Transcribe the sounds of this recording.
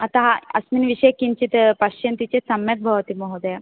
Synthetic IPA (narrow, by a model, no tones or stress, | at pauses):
at̪aɦaɐsminʋiɕɐjkint͡ɕit̪pɐɕjɐnt̪it͡ɕesɐmjɐk̚bʱɐʋt̪imɔɦod̪əja